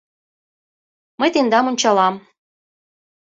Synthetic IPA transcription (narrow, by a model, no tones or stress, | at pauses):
məjt̪end̪ɑmonʲt͡ɕɑlɑm